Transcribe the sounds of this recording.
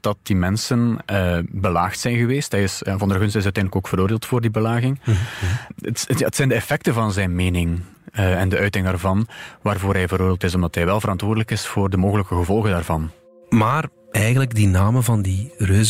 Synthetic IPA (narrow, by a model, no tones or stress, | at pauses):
d̥ɑt̚dimɛnsənəbəlaːxtsɛjnɣəʋeːstɦɛjɪsnvɑndərɣɵnstɪs̬œɥtɛndələkoːkfəɾoːrdeːlˠtfoːrdibəlaːɣɪŋ | əta̰ːətsɛjndəɛfɛk̚təvɑnzɛjnmeːnɪŋ | ɛndəʔœɥtɪŋdaːrvɑnʋaːrvoːɾɦɛjvəɾoːrdelˠtɪsɔmdɑtɦɛjʋɛlˠvəɾɑntwoːrdələkɪsfoːrdəmoːɣələkəɣəvɔlˠɣəndaːrvɑn | maːr | ɛjɣənləɡdinaːməvɑndirøːz